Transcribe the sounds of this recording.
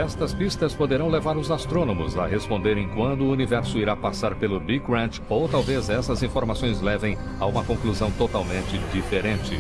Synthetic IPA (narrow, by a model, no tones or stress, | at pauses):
ɛst̪ɐspist̪ɐspod̪eɾɐ̃w̃levaɾʊzast̪ɾõnõmʊzɐhespõnd̪eɾẽj̃kwɐ̃nd̪ʊːunivɛɾsʊiɾapasaɾpelʊbikɾɐ̃t͡ʃ | owt̪awvezɛsɐzĩfoɾmasõj̃zlɛvẽj̃ | aũmɐkõkluzɐ̃w̃t̪ot̪awmẽnt͡ʃɪd͡ʒifeɾẽnt͡ʃɪ